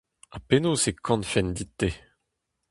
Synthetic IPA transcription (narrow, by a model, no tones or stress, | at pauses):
apenosekʰɑ̃nfɛnd̪it̪ːe